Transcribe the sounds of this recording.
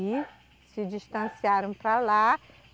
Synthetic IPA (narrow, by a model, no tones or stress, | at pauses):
i | sɪd͡ʒist̪ɐ̃siaɾɐ̃w̃pɾala